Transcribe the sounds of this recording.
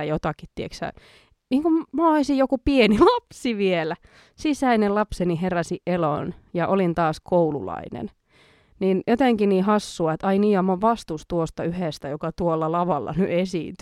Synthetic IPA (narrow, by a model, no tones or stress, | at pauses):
æjot̪ɑkit̪t̪ːieksæ̰ | niːŋkummoɑisijjokupienilɑpsiʋielæ | sisæinelɑpseniherɑsiʔʔelo̰njɑʔolint̪ɑːskʰoulṵlɑ̰inḛn | niːnjot̪eŋkiniːhɑsːuɑet̪ɑiniːɑmːɑʋʋɑst̪ust̪uost̪ɑyhest̪æjokɑt̪uolːɑlɑʋɑlːɑ̰nyʔesḭːnt̪y